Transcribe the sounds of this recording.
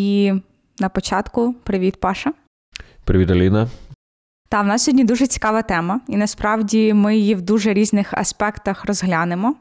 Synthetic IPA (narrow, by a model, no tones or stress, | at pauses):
i | nɐpɔt͡ʃɑt̪kʊpɾɪʋʲit̪̚pɑʃɐ | pɾɪʋʲit̪ɐlʲinɐ | t̪ɑwnɑsʲɔdʲnʲid̪uʒɛt͡sʲi̥kɑʋɐt̪ɛmɐinɐspɾɑwdʲimɪjiwd̪uʒɛɾʲiznɪxɐ̰spɛkt̪ɐxɾɔzɦlʲɑnɪmɔ